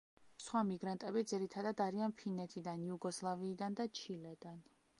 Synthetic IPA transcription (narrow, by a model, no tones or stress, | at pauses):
sχwamiɡɾant̪ʼɛbid̪ziɾit̪ʰad̪ad̪aɾianpʰinɛt̪ʰid̪anjuɡɔslˠaviːd̪and̪at͡ʃʰilɛd̪an